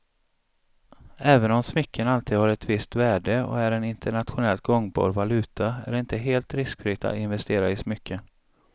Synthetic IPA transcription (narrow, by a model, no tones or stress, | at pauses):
ɛːvənɔmsmʏkʰːənalt̪ʰiːd̪haɾɛt̪vɪst̪væːɖəɔ̰æɾɛnɪnt̪ʰəɳat̪ɧʊnɛlt̪̚ɡɔŋbɑ̰ːɾvalʉ̟ːt̪ʰaæ̰ɖɪnt̪əɦeːlt̪ɾɪskfɾɪːk̚t̪a̰t̪ɪnvɛst̪eːɾaɪsmʏkʰːən